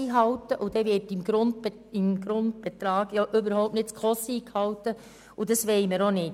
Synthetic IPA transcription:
iːɦɑwtəʔud̥ɛʋɪrtɪmɡ̥ɾʊnd̚ | ɪmɡ̥ɾʊnd̚b̥ɛt̪ɾɑːɡ̥jɑʔʏbəɾhɔʊp̚tnɪtskχɔsiːkhɑwtːə | udɑsʋeɪməɾonɪt

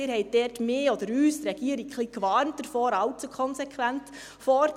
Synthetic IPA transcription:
ɪːɾhɛɪt̚d̥ɛːtmɪːɔd̥̪əɾyːsɾɛɡ̥iːəɾikχliːkʋɑːɾnt̚d̥əɾfɔːɾɑlt͡sukʰɔnsɛkʰwænt | fɔːɾ

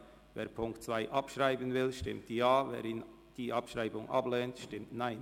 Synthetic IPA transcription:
vḛːɐɾpʰʊŋktt͡sv̥aɪʔɑpʃʁaɪbənvɪlʃtɪmt̚d̥ijaːvḛːɾɪn | d̥iːʔɑpʃʁaɪbʊŋʔɑ̰blɛːntʃtɪmtnaɪn

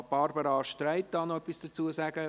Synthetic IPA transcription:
b̥ɑɾbəɾɑʃtraɪt̚d̥ɑːnɔœpːisd̥ət͡suəsæɡ̥ə

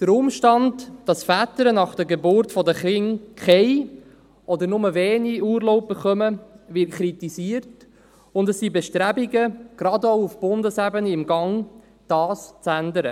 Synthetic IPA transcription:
d̥əɾʊmʃtɑndd̥ɑsfætəɾənɑχd̥əɾɡebʊɾtfɔdəχɾɪŋkʰɛɪ | ɔdəɾnʊməveːniuːɾloʊp̚bəχœməvɪrtkʰɾitisiəɾt | ʊndɛsːibɛʃtɾæbiɡəɡ̥ɾɑdoʊufb̥ʊndəsæbənəɪmɡɑŋ | d̥ɑːst͡sændəɾə

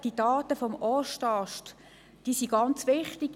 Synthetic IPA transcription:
d̥id̥ɑːtəfɔmɔʃtɑʃt | d̥iːsiɡɑnt͡sʋɪχtiɡ̥

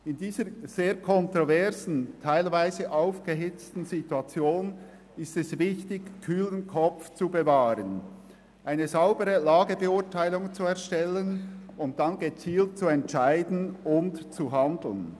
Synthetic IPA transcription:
ɪndiːzəz̥eːɐkʰɔntʁovɛɐzn̩tʰaɪlvaɪzəʔaʊfɡ̥əɦɪt͡stn̩zituat͡sjoːn | ɪstɛsvɪçtɪçkʰyːlənkʰɔp͡ft͡subəvaːɾən | ʔaɪnəzaʊbəʁəlaːɡəbəʊɐtʰaɪlʊŋt͡suɛɐʁʃtɛlənʊnt̚d̥anɡət͡siːlt̚t͡suɛntt͡ʃaɪdn̩ʊntt͡suɦandl̩n

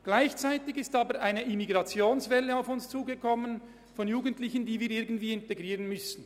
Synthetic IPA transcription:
ɡ̥laɪçt͡saɪtɪçɪstaːbəɾaɪnəʔɪmiɡʁɑt͡sjoːnsvɛlːəaʊfʊnst͡suːɡəkʰɔmən | fɔnjuːɡəntlɪçəndiːviːɾɪɐɡn̩tv̥iːɪnteɡʁiːʁənmʏsn̩

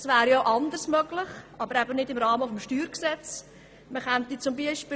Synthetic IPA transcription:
svæːɾjoʔɑnd̪ərsmœɡ̥lɪχʔɑbəɾæbənɪdɪmɾɑːməfɔmʃtyːɾksɛt͡s | məχɛnt̪it͡sʊmbiəʃpː

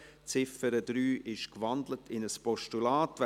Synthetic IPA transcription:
t͡sɪfəɾədɾyːʔɪʃkvɑndlətʰɪnəspɔʃtulaːtʋ

